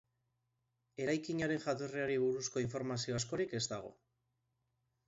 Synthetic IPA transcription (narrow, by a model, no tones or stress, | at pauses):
e̞ɾajkiɲaɾe̞nʝat̪oreaɾiβ̞uɾusko̞iɱfo̞ɾmasio̞asko̞ɾike̞zt̪aɣ̞o̞̰